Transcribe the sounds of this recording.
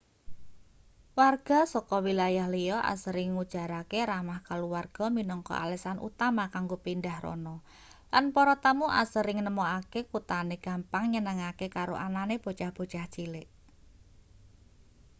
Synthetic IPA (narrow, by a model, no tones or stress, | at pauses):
warɡ̥a̤sɔkɔwilajahlijɔʔa̰səɾɪŋːud̥ʒ̥a̤ɾakeɾamahkaluwarɡ̥ɔ̤minɔŋkɔ̰ʔa̰lɛsanʔṵt̪amakaŋɡopindahrɔ̰nɔ | lanpɔɾɔt̪amuʔa̰səɾɪŋnəmoakekut̪aneɡ̥a̤mpaŋɲənəŋakekaɾo̰ʔananeb̥o̤t͡ʃahb̥o̤t͡ʃaht͡ʃilɪʔ